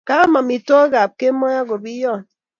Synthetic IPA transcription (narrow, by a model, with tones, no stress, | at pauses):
ka˦mɔ˨mi˨to˦ɡa˨p̚ke˦mɔ˦ja˦ɡo˨bi˦jɔ˦˨n